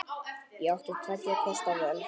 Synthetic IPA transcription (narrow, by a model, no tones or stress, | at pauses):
jɛawht̪ɪt̪ʰat̪jakʰɔst̪avœl